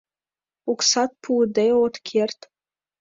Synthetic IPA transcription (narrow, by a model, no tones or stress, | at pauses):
uksɑt̪̚pʰud̪ejot̪kʲʰert̪